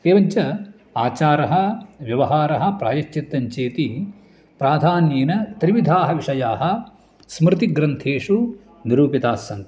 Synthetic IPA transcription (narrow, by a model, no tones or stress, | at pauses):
eːʋɐɲt͡ʃɐ | aːt͡ʃaːɾɐɦɐ̆ʋjɐʋɐɦaːɾɐɦɐ̆pɾaːjɐʃit̪ːɐɲt͡ʃeːt̪i | pɾaːd̪ʱaːnjeːnɐt̪ɾiʋid̪ʱaːɦɐʋiʂɐjaːɦɐ | smɾɪt̪iɡɾɐnt̪ʰeːʂu | niɾuːpit̪aːsɐŋk